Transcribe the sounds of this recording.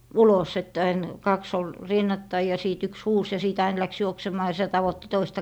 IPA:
ulos etːæ ɑin kɑks ol rinːɑtːɑi jɑ siːt yks huːs jɑ siˑt ɑin læks juoksemɑː jɑ sĭtæ tɑʋotːi toistɑ

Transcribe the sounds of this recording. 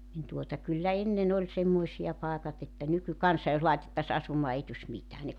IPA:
nin tuotɑ kylːæ enːen olʲ semːoisiɑ pɑˑekɑt etːæ nykykɑnsɑ jos lɑitetːɑs ɑsumɑː ei tusʲ mitæː ne

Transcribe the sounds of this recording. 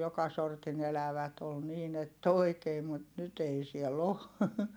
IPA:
jokɑ sortin elæʋæt ol niːn etː oi̯keː mut nyt ei siɛl o

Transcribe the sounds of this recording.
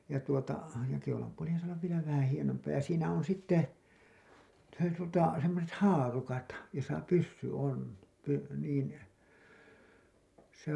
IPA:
jɑ tuotɑ jɑ keulɑmpuolihɑn sɑː olːɑʋ ʋielæ ʋæhæn hienompɑː jɑ siːnæ on sitːe se tuotɑ semːoset hɑːrukɑt josɑ pysːy on py niːn se

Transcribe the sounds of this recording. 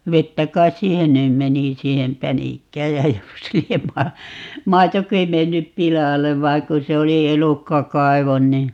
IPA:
ʋetːæ kɑis siːhen nym meni siːhem pænikːæːj jæ jos liem mɑ mɑitoki menːyp pilɑleʋ ʋɑiŋ ku se oli elukːɑkɑiʋon ni

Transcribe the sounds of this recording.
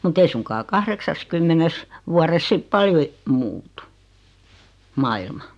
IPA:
mut ei suŋkɑː kɑhreksɑskymːenes ʋuɑres sip pɑljo e muːtu mɑilmɑ

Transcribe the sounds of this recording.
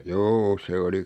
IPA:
juː se oli

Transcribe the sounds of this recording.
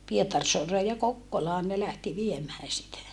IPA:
pietɑrsoɑreː jɑ kokːolɑːn ne læhti ʋiemæː sitæ

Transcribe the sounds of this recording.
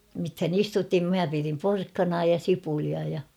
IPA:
mithæn istutim mæ pirim porkːɑnɑː jɑ sipuliɑ jɑ

